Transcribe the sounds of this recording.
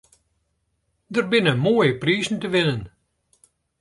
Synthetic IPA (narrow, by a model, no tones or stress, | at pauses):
dərbɪnəmoːjəpriːzn̩təʋɪnən